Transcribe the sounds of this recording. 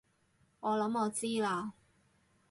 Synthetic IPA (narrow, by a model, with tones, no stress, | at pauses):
ŋɔː˨˧lɐ˨˥mɔː˨˧t͡siː˥laː˧